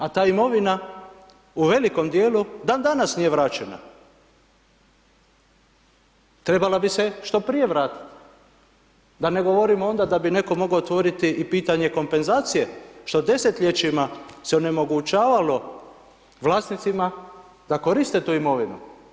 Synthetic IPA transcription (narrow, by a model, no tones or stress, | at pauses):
at̪aːimo̞ʋina | uʋe̞liko̞md̪je̞ːlud̪and̪anasnije̞ʋɾaːt͡ʃe̞na̰ | t̪ɾe̞balabise̞ʃt̪o̞pɾijeʋɾaːt̪i̥t̪ | d̪ane̞ɡo̞ʋo̞ɾimoo̞nd̪ad̪abine̞ko̞mo̞ɡoːt̪ʋo̞ɾit̪iʔipiːt̪aɲe̞ko̞mpe̞nzaːt̪sije̞ʃt̪o̞d̪e̞se̞t̪ʎe̞t͡ʃimase̞one̞mo̞ɡut͡ʃaːʋalo̞ | ʋlˠaːsnit̪sima | d̪̥ako̞ɾist̪e̞t̪uːimo̞ʋinu